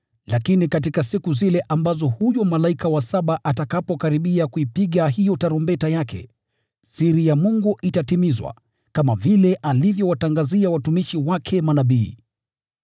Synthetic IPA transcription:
lakinikat̬ikasikuzilɛʔambazɔhujɔmalaikawasaɓaʔatakapɔkaɾiɓiakuipiɠaɦijɔtaɾumbɛtajakʰɛ̰ | siɾijamuŋɡuʔitatimizwa̰ | kamavilɛʔalivjɔwataŋɡaziawatumiʃiwakʰɛmanaɓiː

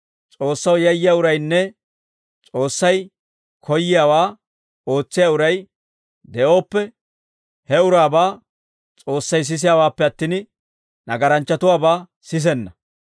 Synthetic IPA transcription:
t͡sʼo̞ːsːɐwjɐjːɪjaːʊɾɐjnːɛ | t͡sʼo̞ːsːɐj | kʰɔjːɪjaːwaː | oːt͡sːɪjaːʊɾɐj | d̪ɛʔo̞ːpːɛ | hɛʊɾaːbaː | t͡sʼo̞ːsːɐjs̬ɪs̬ɪjaːwaːpːɛɐt̪ːɪːn | nɐɡɐɾɐnt͡ʃːɐt̪ʊwaːbaː | sɪs̬ɛnːɐ

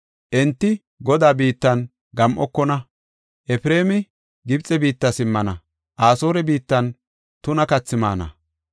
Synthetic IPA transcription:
ʔɛnt̪ːɪ | ɡɔd̪aːbiːt̪ːɐn | ɡɐmʔɔkːɔnɐ | ʔɛfɪɾe̞ːmɪ | ɡɪbt͡sʼɛbiːt̪ːɐsɪmːɐnɐ | ʔaːso̞ːɾɛbiːt̪ːɐn | t̪ʊnɐkɐt͡sːɪma̰ːnɐ̰

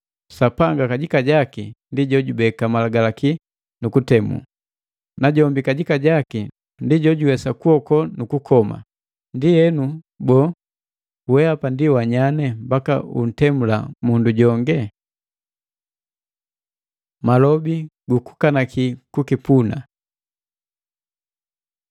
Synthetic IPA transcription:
sapaŋɡakaɟikaɟakindiɟɔɟubɛkamalaɡalaki | nukutɛmṵ | naɟɔmbikaɟikaɟaki | ndiɟɔɟuwɛsakuɔkɔnukukɔma̰ | ndijɛnu | bɔ | wɛapandiwaɲanɛmbakaṵn̩tɛmulamunduɟɔŋɡɛ | malɔbiɡuku̥kanakikukipuna̰

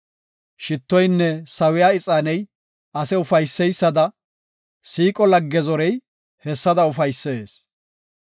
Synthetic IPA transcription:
ʃɪt̪ːɔjnːɛsɐwɪjaːɪt͡sʼaːnɛj | ɐsɛʊfɐjsːɛjsːɐd̪ɐ | siːkʼɔlɐɡːɛzɔɾɛj | hɛsːɐd̪ɐʊfɐjsːeːs

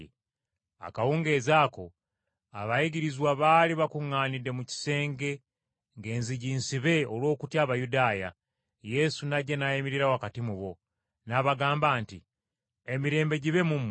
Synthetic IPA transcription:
a̰kawuːŋɡe̞ːzaːko̞ | a̰βajiɟiɾizwaβaːliβakuŋːaːnidːe̞muci̥se̞ːŋɡe̞ | ŋɡe̞ːnziɟiːnsiβe̞olwo̞ːkutjaːβajudaːja̰ | je̞sunaɟenajemiɾiɾawakatimuβo̞ | naβaɡaːmbaːnti | emiɾe̞ːmbe̞ɟiβe̞mum

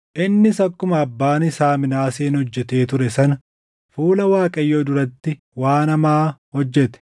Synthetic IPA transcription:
ʔɪnːɪsɐkːʊmɐːbːaːnɪsaːmɪnaːseːnhɔd͡ʒːɛt̪e̞ːt̪ʊɾɛsɐnɐ | fuːlɐwaːkʼɐjːoːd̪ʊɾɐt̪ːɪ | waːnɐmaːhɔd͡ʒːɛt̪ɛ̥

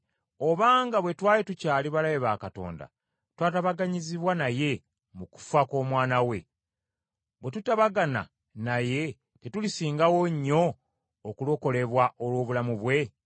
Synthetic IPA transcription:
o̞βaːŋɡaβwe̞twaːjetucaːliβalajeβaːkato̞̰ːnda̰ | twaːtaβaɡaɲiziβwanaje̞ | muku̥fako̞ːmwaːnawe̞ | βwe̞tutaβaɡana̰ | naje̞ | tetulisiːŋɡawoɲːo̞ː | kulo̞ko̞le̞βwaʔolwo̞ːβulamuβwe̞

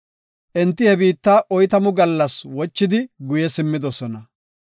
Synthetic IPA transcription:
ʔɛnt̪ːɪhɛbiːt̪ːaːʔɔjt̪ɐmʊɡɐlːɐswɔt͡ʃːɪd̪ɪɡʊjɛsɪmːɪd̪ɔsɔnɐ

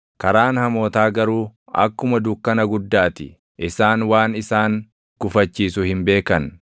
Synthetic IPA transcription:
kɐɾaːnhɐmo̞ːt̪aːɡɐɾuː | ɐ̰kːʊmɐd̪ʊkːɐnɐɡʊd̪ːaːt̪ɪ | ʔɪsaːnwaːnɪsaːŋ | kʊfɐt͡ʃːiːsʊhɪmbe̞ːkɐn

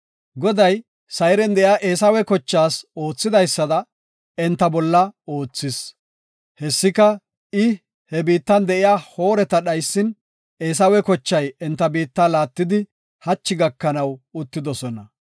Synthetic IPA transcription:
ɡɔd̪ɐj | sɐjɾɛnd̪ɛʔɪjaːʔe̞ːs̬ɐwɛkɔt͡ʃːaːso̞ːt͡sːɪd̪ɐjsːɐd̪ɐ | ɛnt̪ːɐbɔlːɐo̞ːt͡sːɪs | hɛsːɪkɐ | ɪ | hɛbiːt̪ːɐnd̪ɛʔɪjaːho̞ːɾɛt̪ɐɗɐjsːɪn | e̞ːs̬ɐwɛkɔt͡ʃːɐjɛnt̪ːɐbiːt̪ːalaːt̪ːɪd̪ɪ | hɐt͡ʃːɪɡɐkːɐnɐwʊt̪ːɪd̪ɔsɔnɐ

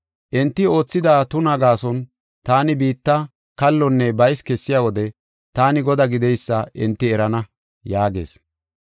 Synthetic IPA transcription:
ʔɛnt̪ːɪo̞ːt͡sːɪd̪aːt̪ʊnɐɡaːsɔn | t̪aːnɪbiːt̪ːɐ | kɐlːɔnːɛbɐjskɛsːɪjawɔd̪ɛ | t̪aːnɪɡɔd̪ɐɡɪd̪ɛjsːɐʔɪnt̪ːɪɛɾɐnɐ | jaːɡe̞̰ːs

